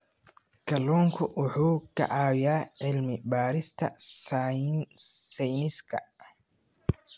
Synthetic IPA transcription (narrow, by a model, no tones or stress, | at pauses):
kʰɐlɔːŋkʰʊʔʊħuːkʰɐ̰ʕaːjaːʕɪlmɪbaːɾɪst̪ʰɐ̰ | sɛjnɪskʰɐ̰